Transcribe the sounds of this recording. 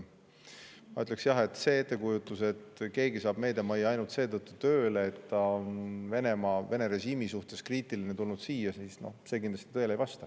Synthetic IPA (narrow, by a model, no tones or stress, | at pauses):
mɑyt̪ˑleksjɑɦe̞t̪ːse̞et̪ːe̞kujut̪ːˑuse̞t̪ke̞ːɡisɑːb̥me̞ːd̪emɑjːɑɑjnult̪se̞ːt̪ɤt̪ˑːut̪ø̞ːleet̪t̪ɑonve̞ne̞mɑve̞ne̞ɾe̞ɕiːmisuht̪e̞skriːt̪ˑiline̞t̪ulnud̪̥siːjɑsiːsno̞̰hse̞ːkind̪l̥ɑst̪i̥t̪ɤelejvɑst̪ɑ